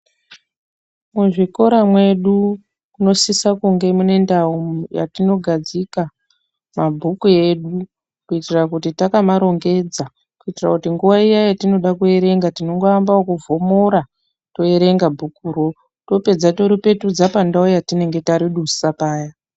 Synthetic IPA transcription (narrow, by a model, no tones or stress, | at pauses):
muʐiko̞ɾamwe̞ɗu | kuno̞sisakuŋɡe̞mune̞ndauja̰tino̞ɡʱad͡zika | mabʱukue̞ɗu | kuitirakutitakamaɾo̞ŋɡe̞d͡za | kuitira̰kutiŋɡuʋaijajatino̞ɗakue̞ɾe̞ŋɡatino̞ŋɡoambaokuvo̞moɾa | to̞e̞ɾe̞ŋɡabʱukuɾo̞ | to̞pe̞d͡zato̞ɾipe̞tud͡zapandaujatine̞ŋɡe̞taɾiɗusapaːja